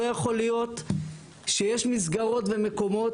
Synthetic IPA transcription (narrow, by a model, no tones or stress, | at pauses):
ojaχo̞lijo̞t̪ | ʃejeʃmisɡaʁo̞tve̞me̞ko̞mo̞